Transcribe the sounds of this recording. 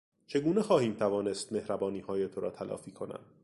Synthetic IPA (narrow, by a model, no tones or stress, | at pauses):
t͡ʃʰe̞ɡuːnexɒːhiːmt̪ʰævɒːne̞st̪me̞hɾæbɒːniːhɒːjet̪ʰo̞ɾɒ̰ːt̪ʰælʔɒ̰ːfiːkʰo̞næ̰m